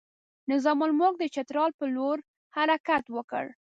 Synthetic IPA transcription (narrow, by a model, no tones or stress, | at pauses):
nɪzɑmʊlmok̚d̪ət͡ʃat̪ɾɑlpəloɾ | haɾakat̪wəkə̰ɽ